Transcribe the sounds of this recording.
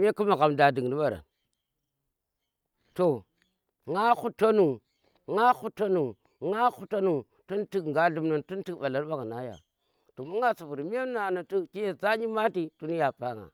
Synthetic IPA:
m˦a˦ku˦ma˨ɣa˨mda˨di˨ŋ˨di˦ɓa˨ɾa̰˨ | to˨ | ŋa˦xu˦ta˦nu˨ | ŋa˦xu˦to˦nu˨ | ŋa˦xu˦ta˦nu˨ | tu˦nti˦kŋɡa˦ɬu˦mna˨ntu˦n˦ti˦kɓa˨la˦ɾɓa˦ɣna˨˦ja̰˨ | to˨mu˦ŋa˦su˨vu˨ɾmi˦a˦na˨na˨tu˦ki˦ja˨za˦ɲi˦ma˦ti˦tu˦ni˦ja˨pa˦ŋa̰˨

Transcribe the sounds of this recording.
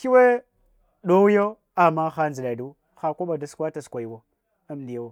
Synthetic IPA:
ki˦we˦ | ɗo˦wjo˦ | a˨ma˦xa˦nzi˨ɗa˨du˦ | xa˨kʷo˦ɓa˨da˨skʷa˦ta˨skʷa˨ji˨wo˨ | a˦m˨di˨ja˦wo˨

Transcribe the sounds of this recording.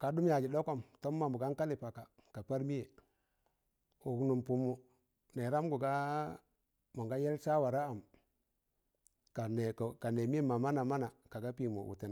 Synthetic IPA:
ka˨du˦mja˨d͡ʒi˨do˦ko˦mto˦mː˦a˨mu˨ɡa˦ŋka˦li˨pa˨ka˨ | ka˨pa˦ɾmi˦je˨ | u˨knu˨mpu˨mːu˨ | ne˨ɾa˦mɡu˨ɡa˦ | mo˨ŋɡa˦je˦lt͡ʃa˦wa˨ɾa˦a˨m | ka˨ne˨ka˨ne˨mi˦e˦ma˨ma˦na˨ma˦na˨ka˨ɡa˦pi˨mṵ˨wṵ˨ti˨n˨

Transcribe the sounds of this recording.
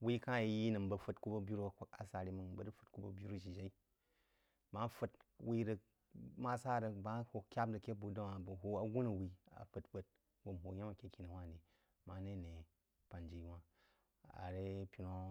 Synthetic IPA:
wi˦ka˦˨˦ji˦nɨ˨mbɐ˧ɸə˦tku˦bɐ˦bju˦ɾu˦˨kʷa˦ka˨sa˨ɾi˧mɨ˧ŋbɐ˨dɨ˦fu̥˨t̚ku˦bɐ˧bʲju˦ɾu˦ʃi˨d͡ʒe˦i˦ | ma˦fɨ˧twi˦ɾɐ˧ | ma˦sa˦˨ɾɐ˧ba˦ho˧kʲa˦b̚dɐ˨kʲe˦bu˨da˦wa˨bɐ˨ɦo˧a˨ɡʷu˦nɐ˨wi˧a̰˨ɸə˨tɸə˦t̚ | wo˨m˨ɦo˨ja˦ma˨kʲe˦kʲi˨na˨wʷa˦˨di˨ | ma˨˦ne˦˨ne˨ | pa˨nd͡ʒi˨˦wa˦ | a̰˨ɾe˦pʲi˨no˦

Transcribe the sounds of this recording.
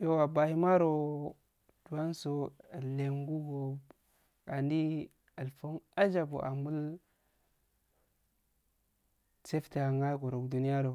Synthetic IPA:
jo˦wa˨ba˨hi˦ma˦ɾo˨ | d̥u˨wa˦nso˦a˨le˨ŋɡu˦ɡo˨ | ka˨ndi˦ | a˨lfo˦na˦d͡ʒa˨bo̰˨ʔa̰˨mu˦l | t͡se˦fta˨ŋa˦ɡo˨ɾo˨kdu˨ni˦ja˦ɾo˨

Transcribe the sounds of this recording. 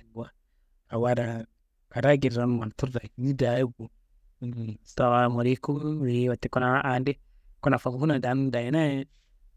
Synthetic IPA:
ɡwa˨ | a˨wa˦ɾa˨ | a˨ɾa˦ɡi˨ɾɾa˦n˨ma˨n˨tu˦ɾda˨˦ni˦da˨˦bu˨ | ta˨wa˨mo˨ɾi˦ku˦ɾi˨˦wa˨ti˨ku˦na˨˦ʔa˨˦nde˦ | ku˦na˨fa˨ku˨˦ku˦na˨da˨˦n˦da˨ji˨˦na˦

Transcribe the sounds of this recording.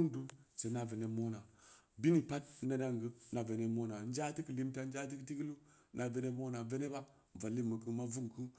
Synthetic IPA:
ndu˦se˨˦na˨ve˨ne˨mo˦na˨bi˦ni˨pa˦t̚ne˦na˦ŋɡə˦na˨ve˨ne˦mo˦na˨˦n˦d͡ʒa˦ti˦kə˨li˦mta˦n˦d͡ʒa˦t̬i˦kti˦ɡi˦lu˦ | na˨ve˨ne˦mo˦na˨ve˦ne˦ba˦˨ | va˨lːi˦mə˨kɨ˦ma˦vu˦ŋku˦

